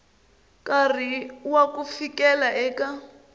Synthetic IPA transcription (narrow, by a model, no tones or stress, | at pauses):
kariwakufikɛlaʔɛːka